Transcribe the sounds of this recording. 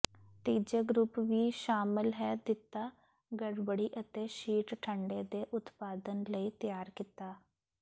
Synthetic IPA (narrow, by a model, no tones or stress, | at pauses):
t̪iːd͡ʒəɡɾʊpʋiːʃaːmɪlɦɛːd̪ɪt̪aː | ɡəɽbəɽiːʔət̪eːʃiːʈʈʰəɳɖeːd̪eːʔʊt̪paːd̪ənləiːt̪jaːɾkit̪aː